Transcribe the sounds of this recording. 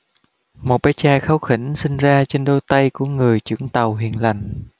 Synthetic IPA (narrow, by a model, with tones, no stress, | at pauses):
mo˨˩t̚ɓaː˨˦˥t͡ɕaː˧xa˨˦wxi˧˩n̟sï˧ŋ̟zaː˧t͡ɕe˧nɗo˧jt̪a˧jku˧˩əŋɨ˨˩əjt͡ɕɨ̰˧˥əŋt̪a˨˩wɦḭ˧˨ənla˨˩jŋ̟